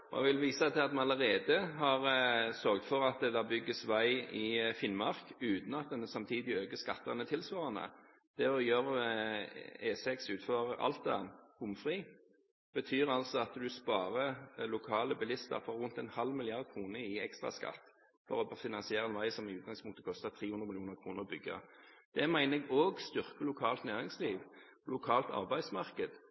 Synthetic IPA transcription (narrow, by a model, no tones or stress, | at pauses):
ɔɛ̰ɡʋɪlʋiːsɑt̪ʰɪɑt̪mɛnɑləʁeːd̪əɦɑʁsœɾɡt̪fɔʁɑt̪̚d̪ɛd̪ɑːbʏɡːəsʋæɪɪfɪnmɑʁkʉːt̪n̩ɑt̪̚d̪ɛnːəsɑmt̪ʰiːd̪ɪøːɡəskɑt̪ːənət̪ʰɪlsʋɑːʁənə̰ | d̪̥ɛɔjøːɾ | eːsɛksʉːt̪føʁəɑ̰lt̪ə̰nʊmfʁiː | b̥ət̪ʰyːʁɑlsɔɑt̪d̪ʉspɑːʁəlʊkʰɑːləbɪlɪst̪ə̰fɔɾʉnt̪ɛnhɑlmɪlɪɑʁd̪̚kʰɾuːnəɪɛkst̪ʁɑ̰skɑ̰t̪ː | fɔʁɔfɪnɑnsɪeːʁəɛnʋæɪsɔmɪʉːt̪ɡɑŋspʰʊŋkt̪ə̥kʰɔst̪ɑt̪ʰʁiːhʉnd̪ʁəmɪlɪuːnəʁkʰʁuːnəʁbʏɡːə̰d̪̥ɛmæɪnəɛɡoːɡst̪ʏʁkəlʊkʰɑːlt̪næːʁɪŋsliːʋ | lʊkʰɑːlt̪ɑ̰ʁbæɪ̥smɑʁkəd̪̥